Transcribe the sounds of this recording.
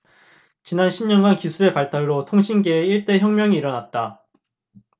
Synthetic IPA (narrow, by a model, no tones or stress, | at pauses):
t͡ɕinanɕʰimɲʌnɡankisʰuɾe̞paɭt͈aɭːotʰoŋɕʰinɡeːiɭt͈e̞çjʌŋmjʌŋiːɾʌnat̚t͈a